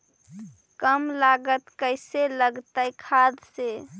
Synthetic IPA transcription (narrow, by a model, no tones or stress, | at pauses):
kəmlaɡət̪kəɪseləɡt̪əjkʰad̪se